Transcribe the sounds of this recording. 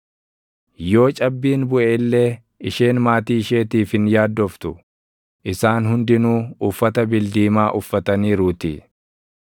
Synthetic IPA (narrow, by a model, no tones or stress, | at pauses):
jo̞ːt͡ʃʼɐbːiːnbʊʔelːeː | ɪʃeːnmaːt̪iːɪʃe̞ːt̪iːfɪnjaːd̪ːɔft̪ʊ | ʔɪsaːnɦʊnd̪ɪnuːʊfːɐt̪ɐbɪld̪iːmaːʔʊfːɐt̪ɐniːɾuːt̪ḭ